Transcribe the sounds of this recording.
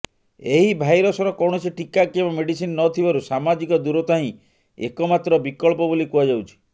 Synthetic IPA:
eɦibʱajɾɔsɔɾɔkɔwɳ̃ɔsiʈikakebameɖisinnɔt̪ʰibaɾusamad͡ʒikɔd̪uɾɔt̪aɦĩ | ḛkɔmat̪ɾɔbikɔɭp̬ɔbolikuad͡ʒawt͡ʃʰi̥

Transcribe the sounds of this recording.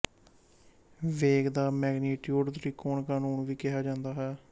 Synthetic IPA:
ʋeːɡd̪aːmɛːɡniːʈjuːɖt̪ɾiːkoːɳkaːnuːɳʋiːkɪɦaːd͡ʒãːnd̪aːɦɛː

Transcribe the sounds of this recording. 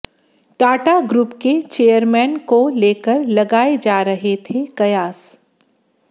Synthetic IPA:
ʈaːʈaɡɾuːpket͡ʃeːjəɾmɛːnkoleːkəɾlɐɡaːed͡ʒaːɾɐɦet̪ʰekɐjaːs

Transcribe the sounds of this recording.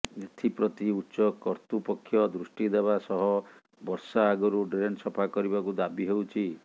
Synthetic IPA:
et̪ʰipɾɔt̪iutːʃɔkɔɾt̪upɔkʰːjɔd̪ɾusʈid̪eβasɔɦɔ | bɔɾsaːɡɔɾuɖɾensɔpʰakɔɾibakud̪abiɦewt͡ʃʰi

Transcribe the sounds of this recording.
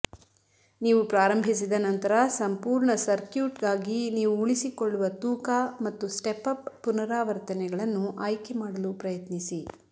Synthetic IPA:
niːʋupɾaːɾɐmbʱis̬id̪ɐnɐnt̪ɐɾɐsɐmpuːɾɳɐsɐɾkjuːʈɡaːɡiniːʋuːɭisikoɭːuʋɐt̪uːkamɐt̪ːusʈepɐpːunɐɾaːʋɐɾt̪ɐnɛɡɐɭɐnːuʔaːjkɛmaːɽɐlupɾɐjɐt̪nisi

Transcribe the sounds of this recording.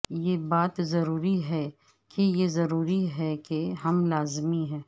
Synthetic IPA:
jebaːt̪zɐɾuːɾiɦɛ | kʰejezɐɾuːɾiɦɛkeɦɐmlaːzmiɦɛ̃ː

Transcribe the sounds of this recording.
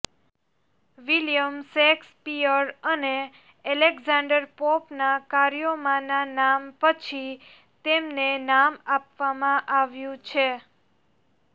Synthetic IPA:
ʋiljəmsekspiəɾəne | ɛleɡzãɳɖəɾpopnakaɾjomãnanampət͡ʃʰi | t̪emnenamapʋamãʔaʋjũt͡ʃʰe

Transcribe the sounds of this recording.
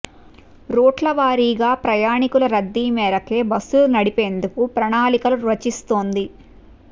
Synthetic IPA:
ɾoːʈlɐʋaːɾiːɡaːpɾɐjaːɳikulɐɾɐd̪ːiːmɛːɾɐke̞ːbɐsulunɐɽipeːnd̪ukupɾɐɳaːlikɐluɾʋɐt͡ʃist̪o̞ːnd̪i

